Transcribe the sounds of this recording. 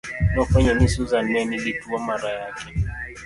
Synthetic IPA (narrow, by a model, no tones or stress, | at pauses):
nɔfaɲanisuzanɛnilituamaɾajakɛ